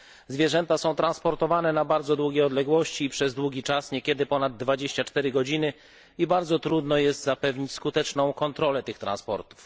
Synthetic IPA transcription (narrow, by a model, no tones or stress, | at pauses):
zvʲjɛʐɛnt̪asɔ̃w̃t̪ɾãnspɔɾt̪ɔvanɛnabaɾd̪zɔd̪wuɡʲjejɔd̪lɛɡwɔɕt͡ɕiːpʂɛzd̪wuɡʲit͡ʂasɲɛkʲɛd̪ɘpɔnad̪ːvad͡ʑeɕt͡ɕat͡ʂt̪ɛɾɘɡɔd͡ʑinɘ | ibaɾd̪zɔt̪ɾud̪nɔjɛst̪zapɛvɲit͡ɕskut̪ɛt͡ʂnɔ̃w̃kɔnt̪ɾɔlɛt̪ɘxt̪ɾa̰nspɔ̰ɾt̪u̥f